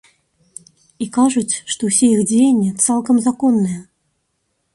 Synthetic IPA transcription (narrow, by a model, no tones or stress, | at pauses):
ikaʐut͡sʲʂt̪ɔwsʲeixd͡zʲejenʲːɛt̪salˠkɐmzakɔnːɨjɐ